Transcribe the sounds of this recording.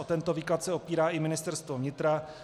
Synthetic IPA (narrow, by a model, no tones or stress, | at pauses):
ot̪ɛnt̪oviːklat̪sɛopiːɾaːʔɪmɪnɪst̪ɛɾst̪vovɲɪt̪ɾa